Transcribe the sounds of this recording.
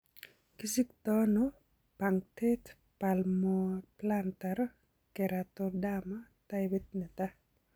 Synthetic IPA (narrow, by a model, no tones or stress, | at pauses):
kisik̚t̪ɔnɔ | paŋt̪et̪ | palmɔplant̪aɾɔ | kɛɾat̪ɔdama | t̪ajbɛt̪̚nɛt̪a